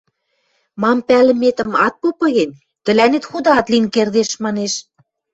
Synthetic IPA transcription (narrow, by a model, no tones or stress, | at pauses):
mɑmpælə̆met̪ə̆mɑt̪̚popɤ̆ɣen | t̪ə̆lænet̪xud̪ɑɑt̪linkerd̪eʃmɑneʃ